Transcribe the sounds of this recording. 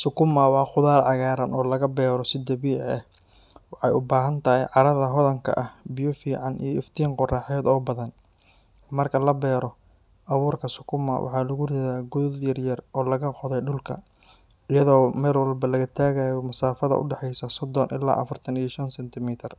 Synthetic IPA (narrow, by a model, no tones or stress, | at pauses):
sʊkʰʊmɐwɑːχʊðaːrʕɑɣaːɾɐnɔːlɐɣɐbɛːɾɔsɪd̪ɐβiːʕɛh | wɑħɑjʊbaːɦɐnt̪ʰɐhɪjʕɑɾɐðɐɦɔðɐŋkʰɐ̰ʔɐhbɪjʊfiːʕɑnʔḭjɞɪft̪ʰiːŋqʊraːħɛːd̪ɔːbɐðɐn | mɐrkʰɐlɐbɛːɾɔ | ʔɐβuːrkʰɐsʊkʰʊmɐ̰wʔɑ̰ħɑːlɐɣʊrɪðaːɡʊðjɐrjɐrʔɔːlɐɣɐqɔðɛjɖʊlkʰɐ̰ | ɪjɐðɔːmɛːlwɐlbɐlɐɣɐt̪ʰaːɣaːjɔmɐsaːfɐðɐ̰ʔʊ̰ɖɛħɛjsɐsɔd̪ɔnʔɪ̰la̰ːʔɐ̰fɐrt̪ʰɐnijɔʃɐnsɛnt̪ʰɪmiːt̪ʰɐr